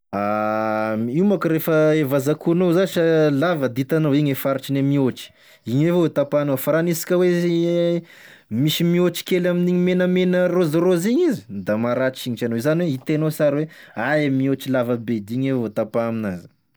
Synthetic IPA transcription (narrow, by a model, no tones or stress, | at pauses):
a | iumakuɾefəevazakunozaʃalavəd̪it̪anoiɲefaɾiʈ͡ʂinemiot͡ʃi̥ | iɲevoot̪apanofaɾanisi̥kʲəwe | miʃimiot͡ʃi̥kʲelaminiɲimenəmenərozaɾoziɲizi̥d̪amaɾat͡ʃiɲit͡ʃanozaniweit̪enosaɾiweaemiot͡ʃilavəbed̪iɲevvot̪apaminaz̥